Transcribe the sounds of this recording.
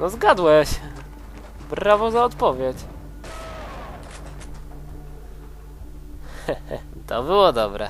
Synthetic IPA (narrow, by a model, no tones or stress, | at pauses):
nɔzɡad̪wɛɕ | bɾavɔzaɔt̪pɔvʲjet͡ɕ | t̪ɔbɘwɔd̪ɔbɾɛ̰